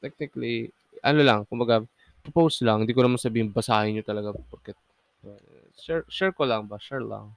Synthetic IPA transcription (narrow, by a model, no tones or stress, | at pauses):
t̪ɛk̚nɪkɐli | ʔɐnolɐŋkʊmbɐɡa | pɾopowslaɐŋhɪnd̪iːk̬oɐmansɐbiːhɪŋbɐsaːhɪɲot̪ɐlɐɡapɐɾkɛ | ɛ | ʃɛɹʃɛɹkolɐŋbaʃɛɹla̰ŋ